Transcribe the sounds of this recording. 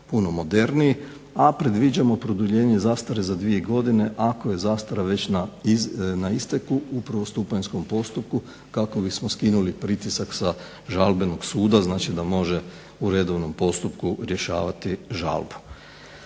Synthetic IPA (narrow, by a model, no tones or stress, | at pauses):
puno̞mo̞d̪e̞ɾniji | apɾe̞d̪ʋid͡ʑamo̞pɾod̪uʎe̞ːɲe̞zaːst̪aɾezad̪ʋieɡo̞d̪ine̞ʔako̞je̞zaːst̪aɾaʋe̞t͡ɕna | naist̪ekuupɾaʋo̞st̪uːpaɲsko̞mpo̞st̪up̚ku | kako̞bismoskinulipɾit̪isaksa | ʒalbeno̞ɡsuːd̪aznaːt͡ʃid̪amo̞ʒe | uɾe̞d̪o̞ʋno̞mpo̞st̪upkuɾje̞ʃa̰ːʋat̪iʒa̰lˠbu̥